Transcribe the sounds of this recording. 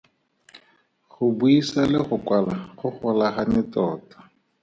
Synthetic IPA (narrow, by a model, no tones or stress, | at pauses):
χʊbuisalɪχʊkwalaχʊχɔlaχanɪtɔːtḁ